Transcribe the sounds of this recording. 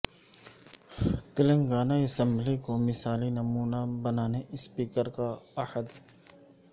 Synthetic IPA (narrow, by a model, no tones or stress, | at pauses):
t̪ɪlə̃ŋɡaːnaɐsə̃mblikomɪsaːlinɐmuːnabɐnaːneʔɪspiːkəɾkaɐhəd̪